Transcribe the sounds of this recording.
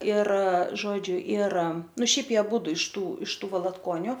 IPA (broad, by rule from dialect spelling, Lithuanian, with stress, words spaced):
ɪr ˈʒoːd͡ʒʲʊ ɪr ˈnʊ ˈʃʲɛɪp ˈjiɛ ɐˈbuːdʊ ɪʃ ˈtuː ɪʃ ˈtuː ʋɐlˠɐtˈkoːnʲʊ